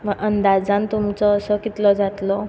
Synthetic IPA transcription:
məɡənd̪ad͡zãnt̪umt͡sɔːsɔkit̪lɔd͡zat̪lɔ

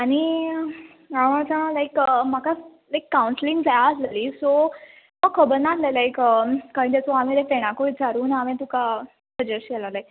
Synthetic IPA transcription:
añi | aʋãt͡sãlajkəmakalajkːawuɳsliŋɡd͡zajaːsleliːso | məɡkʰəbəɾnat̪lelajkəkaɾĩːt̪ɛt͡sɔamilefeɽ̃ãkoid͡zʱaɾuːnaʋẽt̪uka | səd͡ʑeɾɕɛlalaj

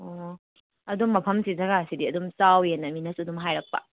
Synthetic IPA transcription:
o | ɐdumːɐpʰɐmsizɐɡasidiɐdumsawjenːɐminɐsudumɦajɾɐk̚pɐ̰

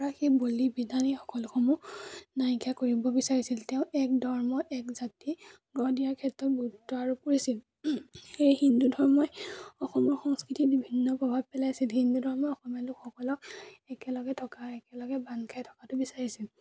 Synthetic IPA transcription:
ɔɹaxibolibidʱanixɔ̥kɔlɔxʰɔmunajkakoɹibɔbisaɹisiltɛʊ̃ʔɛk̚dɔɹmɔʔɛkzati | ɡɔdijaɹkʰɛtːɔt̚bʱutːɔaɹupoɹisil | xejhindudʱɔɹmɔjɔxɔmɔɹxɔŋskɹitibibʱinːɔpɹɔbʱab̚pɛlajsilɦindudʱɔɹmɔɔxɔmalʊkxɔkɔlɔkɛkɛlɔɡɛtʰɔkaɛkɛlɔɡɛbankʰajtʰɔ̥katʊbisaɹisil

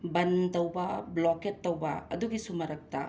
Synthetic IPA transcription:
bɐntɐwbɐblɔketːɐwbɐ̰ɐduɡisumɐɾɐk̚tɐ̰

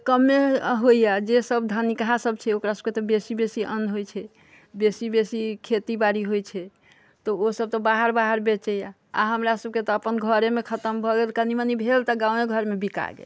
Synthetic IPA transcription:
kəmːeɦoijad͡ʒesəbd̪ʱənikɦasəb̚t͡ʃʰɛokɾasəb̥̚ket̪ɔbesibesiʔə̰nɦojt͡ʃʰɛ | besibesikʰet̪ibaɾiɦojt͡ʃʰɛ | t̪ɔosəb̚t̪ɔbaɦəɾbaɦəɾbet͡ʃɛja | a̰ɦəmɾasəb̚ket̪ɔəpənɡʱəɾemekʰət̪əmbʱɔɡelkənimənibʱelt̪ɔɡãw̃eɡʱəɾmebika̰ɡḛ

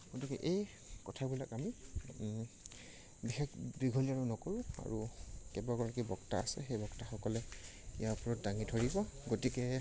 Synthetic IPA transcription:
ɡ̥otikɛ̰ʔej | kɔtʰabilakami | bixɛkbiɡʱɔliaɹunɔkoɹʊ̃a̰ɹukɛbaɡɔɹakibɔkta̰a̰sɛ̰xejbɔktaxɔkɔlɛijapɔɹɔt̚daŋitʰoɹibɔɡotikɛ

